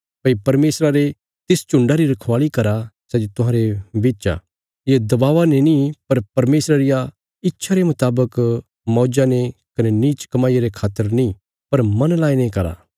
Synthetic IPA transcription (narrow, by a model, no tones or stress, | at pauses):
pɐipɐɾmeːsɾaɾe | t̪ɪst͡ʃʊ̃ɳɖaɾiɾɐkʰʋaːɭikɐɾasɛːd͡ʒot̪ʊɦãːɾebeːt͡ʃa̰ | jed̪ɐbaːʋanenĩpɐɾpɐɾmeːsɾaɾɪja | ɪtːʃʰaɾemʊt̪aːbək | mɔːd͡ʒanekɐneniːt͡ʃkɐmaːieɾekʰaːt̪əɾnĩ | pɐɾmɐnlaːenẽkɐɾa̰